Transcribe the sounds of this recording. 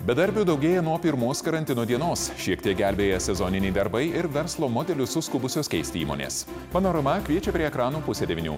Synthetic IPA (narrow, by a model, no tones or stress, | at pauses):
bʲɛd̪ɐɾʲbʲuːd̪ɒʊɡʲeːjɛnuɔpʲɪɾmoːskɐɾɐnʲt̪ʲɪnoːd̪ʲiɛnoːsʃʲiɛkt̪ʲiɛk̚ɡʲæˑlʲbʲeːjɛsʲɛzɔːnʲɪnʲɛɪd̪ɐɾbɐɪɪɾʋʲɛɾslˠoːmoːd̪ʲɛlʲʊsʊskʊbʊsʲoːskʲɛɪst̪ʲɪḭːmo̰ːnʲḛːs | mɐnoːɾɐmɐkʲʋʲiɛt͡ʃʲɛpʲɾʲiɛɛkɾɑːnuːpʊsʲeːd̪ʲɛʋʲɪnʲṵː